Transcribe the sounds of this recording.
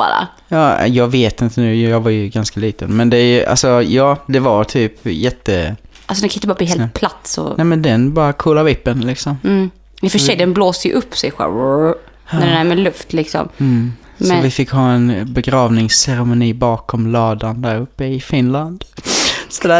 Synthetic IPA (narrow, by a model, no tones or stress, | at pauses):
bɑ̰ːɾa̰ | jɑ̰ːjɑːɡveːt̪ɪnt̪ənʉ̟ːjjɑːɡvaɾjɵɡanskaliːt̪ənmɛnd̪ɛjʔa̰lsɔjɑːd̪ɛvaɾt̪ʰyːpjɛt̪ːəʔalsɔd̪ɛŋkʰaʏt̪əɑɾabliːheːl̚pʰlat̪sɔ̰ɛmɛnd̪ɛnbɑːɾakʰuːlavɪpːənlɪksɔmː | ɛfœʂɛjd̪ɛnbloːsəjə̰ʔɵpːsɛjɧa̰ | æɾɛnæːɾmɛlɵft̪lɪksɔ̰m | sɔvɪfɪkːhɑːɛnbɛɡɾɑːvnɪŋsːɛɾɛmʊniːbɑːkʰɔmlɑːd̪and̪æːɾɵpːəɪfɪnland̪sɔd̪æː